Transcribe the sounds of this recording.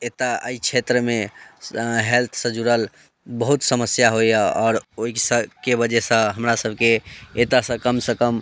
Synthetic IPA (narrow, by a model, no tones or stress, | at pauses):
et̪aə̰it͡ʃʰet̪ɾəme | ɦelt̪ʰsə̃d͡ʒuɾəl | bəɦut̪səməsjaɦojɔːɾoisə̃kebəd͡ʒɛsə̃ɦəmɾasəbʱkeet̪asə̃kəmsəkəm